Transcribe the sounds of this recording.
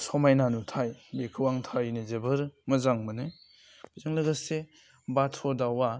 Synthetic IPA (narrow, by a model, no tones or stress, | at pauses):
sɔmajnanutʰajbekʰɯwaŋtʰajnezebɯɾmɐzaŋmɯnɯ | b̥izaŋlɐɡɐse | batʰɔdawa